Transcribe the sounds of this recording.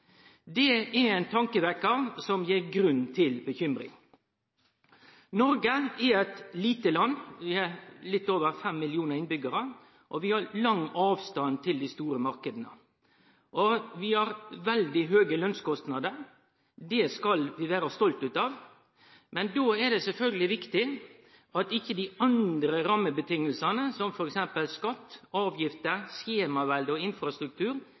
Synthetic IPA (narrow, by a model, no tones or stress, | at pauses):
d̪ɛɛæɪnt̪ʰɑŋkəʋækəɾsɔmjeːɾɡɾʉnːt̪ʰɪlbəçʏmɾɪ̰ŋ | nɔɾɡəɛɛt̪liːt̪əlɑnːʋɪɑɾlɪt̪ːoːʋəɾfɛmːɪlɪuːnəɾɪnbʏɡɑɾə | ʔɔʋɪhɑɾlɑŋːɑːʋst̪ɑnt̪ʰɪld̪ɪst̪uːɾəmɑɾkəd̪nə̰ | ʔɔʋɪhɑɾʋɛld̪ɪɦøːɡəlœnskɔst̪nɑd̪əɾ | d̪ɛskɑlʋɪʋæːɾəst̪ɔlt̪ʉːt̪ɑʋ | mɛnd̪oːɛd̪ɛsɛlfœlɡəlɪʋɪkt̪ɪ | ʔɑt̪ɪçːəd̪ɪɑnd̪ɾəɾɑːmːəbət̪ʰɪŋːəlsɑnəsɔmfɔɾɛksɛmpəlskɑt̪ːɑːʋjɪft̪əseːmɑʋɛld̪əɔɪnfɾɑst̪ɾʉk̚t̪ʰʉːɾ